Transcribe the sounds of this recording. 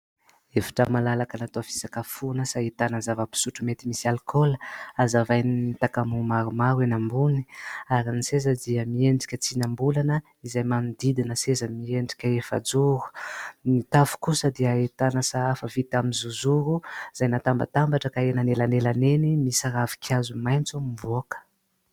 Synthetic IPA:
efḁʈ͡ʂamalalakənat̪ofi̥sakafunəsaet̪anəzavəpi̥suʈ͡ʂumet̪imisialkʰoləazavajniit̪akamumaɾumaɾenambuni̥aɾinisezəd̪iəmieɳɖ͡ʐi̥kʲət͡sinambulanə | izajmamid̪id̪inəsezəmieɳɖ͡ʐi̥kʲəefa̰d͡zuɾu̥mit̪afu̥kusəd̪iait̪anəsaafəvit̪amizuzuɾuz̥ajnat̪amba̰t̪ambaʈ͡ʂəkaenanelanelanenimisaɾavi̥kʰazumajnt͡sumivuakə̥

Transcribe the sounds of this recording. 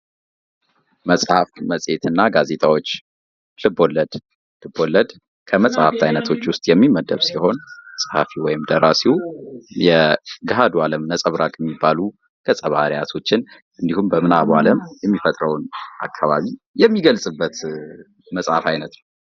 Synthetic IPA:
məsʼhafməsʼe̞t̪ɨnːaɡaze̞t̪ʼʰawo̞t͡ʃː | lɨbo̞lːəd̪ | lɨbːo̞lːəd̪ | kʰəməsʼha̰ft̪ʰajnət̪ʰo̞t͡ʃːwʊst̪ʼjɛmːimːəd̪əβsiho̞nsʼhafiwɔjɪmd̪əɾasijɛɡaɦad̪ualəmnəsʼəβɾakʼjɛmːibːalu | kʰəsʼəβahaɾjat̪ʰo̞t͡ʃːɪn | ʔɨnd̪ihumbəmɨnaβaləmjɛmːifət̪ʼɾəwnʔa̰kʰːaβaβi | jɛmːiɡəlsʼɨbːət̪ | məsʼhafajnət̪nəw

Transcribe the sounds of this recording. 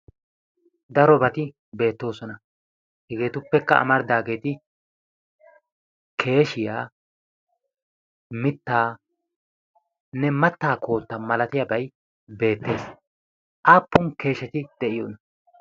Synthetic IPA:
d̪ɐɾɔbɐt̪ɪ | be̞ːt̪ːo̞ːsɔnɐ | hɛɡe̞ːt̪ʊpːɛkːɐɐ̰mɐɾd̪aːɡe̞ːt̪ɪ | kʰe̞ːʃɪjaː | mɪt̪ːaː | nɛmɐt̪ːaːkʰo̞ːt̪ːɐmɐlɐt̪ɪjɐbɐj | be̞ːt̪ːe̞ːs | ʔaːpːʊmke̞ːʃɛt̪ɪd̪̥ɛʔɪjoːnɐ

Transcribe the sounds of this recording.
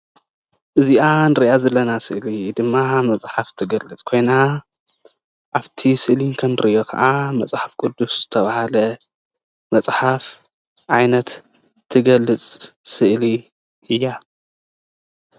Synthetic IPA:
ʔɨziʔanɨɾiʔazɐlːɐnasɨʔlid̪ɨmːamɐt͡sʼħaft̪ʰɨɡɐlːɨt͡sʼkʰo̞jna | ʔaβt̪ʰisɨliŋkʰɐnɨɾiʔokʰɐ̰ʔamɐt͡sʼħafkʼud̪ːusz̥ɨt̪ʰɐβahalɐ | mɐt͡sʼħaf | ʕajnɐt̪ | t̪ʰːɨɡɐlːɨt͡sʼsɨʔli | ʔɨjːa

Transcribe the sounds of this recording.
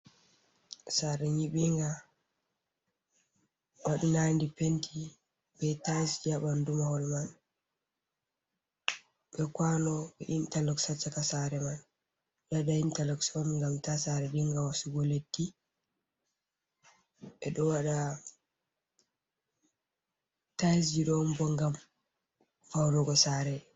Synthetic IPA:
saɾɛɲiɓiŋɡa | waɗunandipentʰi | bɛtasd͡ʒaɓandumahɔlman | ɓɛkwanɔɓɛ̰ʔintalɔksat͡ʃːakasaɾɛman | ɓaɗaintalɔksɔmŋɡamtasaɾɛdiŋɡawasuɡɔletːi | ʔɛɗɔwaɗa | tajs̬d͡ʒiɗɔmbɔŋɡam | fawɾɔɡɔsaɾɛ

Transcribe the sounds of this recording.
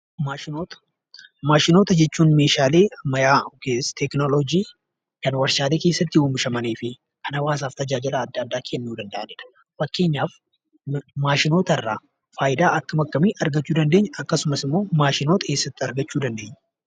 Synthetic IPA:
maot̪ | maːʃɪnoːt̪ɐd͡ʒɛt͡ʃːuːnme̞ːʃaːle̞ːmɐjaːket̪ɛknolod͡ʒiː | kɐnwɐɾsaːd̪eːke̞ːsːɐt̪ːɪʊmɪʃɐmɐneːfɪ | kʰɐnɐwaːs̬aːft̪ɐd͡ʒaːd͡ʒɪlɐːd̪ːɐd̪ːaːkʰenːuːd̪ɐnd̪ɐʔɐneːᶑɐ̥ | fɐkːe̞ːɲːaːf | maːʃɪnoːt̪ɐrːaː | faːjɪd̪aːʔɐkːɐmɐkːɐmiːʔɐɾɡɐt͡ʃːuːd̪ɐnd̪e̞ɲːɐʔɐkːɐsʊmɐsɪmːo̞ːmaːʃɪno̞ːt̪ɐe̞ːsːɐt̪ːɪɐɾɡɐt͡ʃːuːd̪ɐnd̪e̞ːɲːɐ

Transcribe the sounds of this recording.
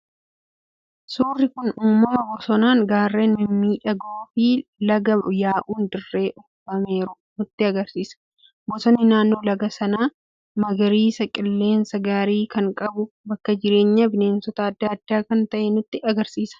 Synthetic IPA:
suːrːɪkʊnuːmːɐmɐbɔsɔnaːŋɡaːrːe̞ːnɪmmːiːᶑɐɡoːfɪlɐɡɐjaːʔuːnd̪ɪrːe̞ːʔɔfɐme̞ːɾʊ | nʊt̪ːɪɐɡɐɾsiːsɐ̥ | bɔsɔnːɪnaːnːo̞ːlɐɡɐsɐnaː | mɐɡɐɾiːsɐkʼɪlːe̞ːnsɐɡaːɾiːkɐŋkʼɐbʊ | bɐkːɐd͡ʒɪɾe̞ːɲːɐbɪne̞ːnsɔt̪ɐɐd̪ːaɐd̪ːaːkɐnt̪ɐʔɛnʊt̪ːɪɐɡɐɾsiːsɐ̥

